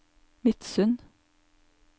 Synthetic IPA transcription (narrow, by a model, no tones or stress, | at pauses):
mɪt̪sʉn